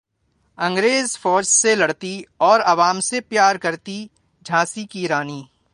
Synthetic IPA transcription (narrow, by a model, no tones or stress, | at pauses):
ɐ̃ŋɡɾeːzfɔːd͡ʒselɐɽt̪iɔːɾɐʋaːmsepjaːɾkɐɾt̪i | d͡ʒʱaːsikiɾaːniː